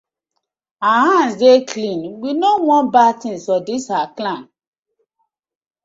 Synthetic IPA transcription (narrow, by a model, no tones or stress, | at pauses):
ahãnsdekʰlĩnwinowɔ̃nbatĩnsɔdisaklãn